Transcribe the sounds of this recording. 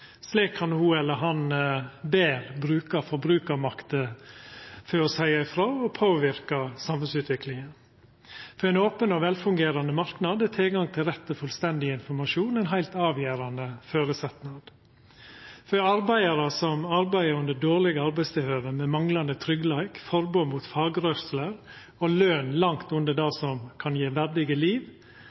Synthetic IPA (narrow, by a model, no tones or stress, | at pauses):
sliːkʰhɑnhʊɛlːəɦɑnbeːɾbɾʉːkɑfɔɾbɾʉːkɑmɑkt̪ə | føɾɔshœʏɑɪfɾoːɔpʰoːʋɪɾkɑsɑmhɛlsʉːt̪ʋɪklɪŋən | fɔɾɛɪnoːpənɔʋɛlfʉŋɡeːɾɑnd̪əmɑɾknɑd̪ɛt̪ʰɪlɡɑŋt̪ʰɪlɾɛt̪ːəfʉlst̪ɛnd̪ɪɪnfɔɾmɑʂuːnɛɪnɦæɪlt̪ɑːʋjeːɾɑnəføːɾəsɛt̪nɑd̪̥ | fɔɑɾbæɪəɾɑsɔmɑɾbæɪəɾʉnd̪əɖoːɾɭɪɡəɑɾbæɪst̪ɪlhøːʋəmɛmɑŋlɑnd̪ət̪ʰɾʏɡlæɪkfɔɾboːmuːt̪fɑːɡɾœsləɾ | ɔløːnlɑŋt̪ʉnd̪əɖɑsɔmkʰɑnjeːʋæɾɖ̪ɪɡəliːʋ